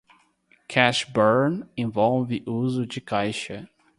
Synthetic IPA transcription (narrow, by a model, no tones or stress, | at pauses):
kʰɛʃbɜɾnẽvɔlvɪʔuzʊd͡ʒɪkʰajʃɐ